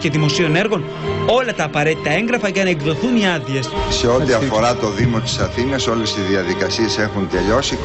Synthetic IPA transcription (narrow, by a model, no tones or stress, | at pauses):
ce̞ðimo̞sio̞ne̞ɾɣo̞n | o̞lɐt̪ɐːpɐɾe̞t̪it̪ɐe̞ŋɡɾɐfɐʝɐnɐeɡðo̞θuniɐðie̞sse̞o̞t̪iɐfo̞ɾɐt̪o̞ðimo̞t̪i̥sɐθinɐso̞le̞siðiɐðikɐsie̞se̞xunt̪e̞ʎo̞si